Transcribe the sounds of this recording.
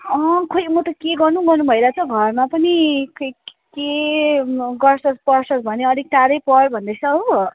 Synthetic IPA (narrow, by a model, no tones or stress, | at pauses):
ʌkʰojmʌt̪ʌkeɡʌrnuɡʌrnubʱʌjlat͡sʌɡʱʌrmapʌnik | ke | ɡʌrsʌspʌrsʌsbʱʌneʌd̪ʱik̚ʈ̪aɾʌjpʌrbʱʌnd̪ʌsʰʌɦo